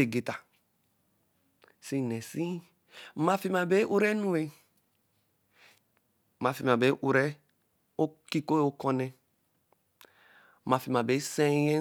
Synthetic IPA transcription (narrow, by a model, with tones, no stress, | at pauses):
e˨ɡe˨ta˨ | si˦nɛ˨si˦ | ma˦fi˦ma˨be˦ʔu˦ɾɛ˦nũ˦e˦˨ | ma˨fi˨ma˨be˨˦ʔu˨ɾɛ˦ | o˦ki˦ko˦o˦kɔ˦nɛ˨˦ | ma˨fi˨ma˨be˨˦sɛ̃˦jɛ̃˦